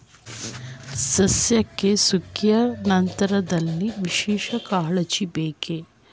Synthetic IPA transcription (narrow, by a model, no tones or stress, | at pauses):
sɐsjɐkːesukʰjɐnɐnt̪ɐɾɐd̪ɐlːiʋiʃɛːʃɐkaːɭɐt͡ʃibeːke